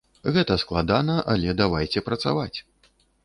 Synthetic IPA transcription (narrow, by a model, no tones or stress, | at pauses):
ɣɛt̪ɐsklˠad̪anɐʔalʲɛd̪avajt͡sʲɛpɾɐt̪sa̰vat͡sʲ